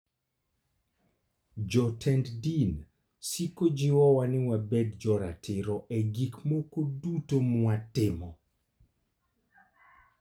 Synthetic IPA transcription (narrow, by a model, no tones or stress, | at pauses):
d͡ʒɔtʰɛnddin | sikod͡ʒɪwɔwanɪwabɛdd͡ʒɔɾa̰tʰɪɾɔʔeɡikmokodutomwatɪmɔ